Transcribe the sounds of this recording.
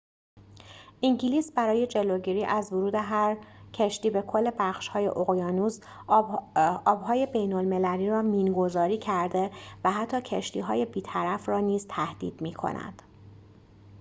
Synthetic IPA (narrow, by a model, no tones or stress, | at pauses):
ʔiŋɟiliːsbæɾɒːje̞d͡ʒe̞loɟiɾiːʔæzvoɾuːd̪e̞ɦæɾcʰeʃt̪iːbe̞kʰo̞lːe̞bæxʃhɒːje̞̰ʔoɣjɒːnuːz | ɒːbɦɒːje̞be̞jno̞lme̞læliːɾɒːmiːnɡo̞zɒːɾiːcʰæɾd̪e̞væɦæt̪ʰːɒːcʰeʃt̪ḭːɦɒːje̞biːt̪ʰæɾæfrɒːniːzt̪ʰæhd̪̥ḭːd̪̥miːkʰo̰næ̰d̪̥